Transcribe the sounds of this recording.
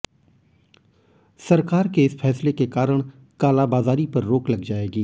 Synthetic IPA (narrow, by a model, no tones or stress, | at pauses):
sɐɾkaːɾkeɪsfʰɛːslekekaːɾəɽ̃ | kaːlabaːzaːɾipɐɾːoːklɐɡd͡ʒaːeːɡiː